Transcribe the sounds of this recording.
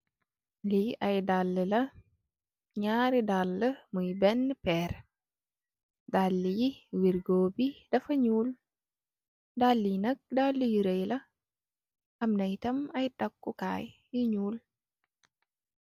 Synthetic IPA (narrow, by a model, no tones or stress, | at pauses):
liɐjdalːəlɐ | ɲaːɾidalːəmujbɛnːəpɛːɾ | dalːijiwiɾɡoːbidɐfɐɲuːl | dalːijinɐk̚dalːijiɾɐjlɐ | ɐmnɐjtɐmɐjtɐkːuka̰ːjjiɲuːl